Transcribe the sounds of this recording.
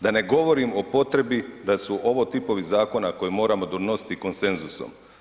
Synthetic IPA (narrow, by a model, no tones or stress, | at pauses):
d̪ane̞ɡo̞ʋo̞ɾimo̞po̞t̪ɾe̞bid̪asuʔo̞ʋo̞ːt̪ipo̞ʋizaːko̞nako̞jemo̞ːɾamo̞d̪ono̞si̥t̪iko̞nse̞nzuso̰m